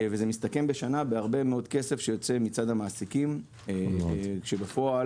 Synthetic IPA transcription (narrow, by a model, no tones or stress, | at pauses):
veze̞mist̪ake̞mbe̞ʃanabeaʁbemeod̪kese̞fʃejo̞t͡se̞mit͡sad̪hamaːsikim | kʃebefo̞a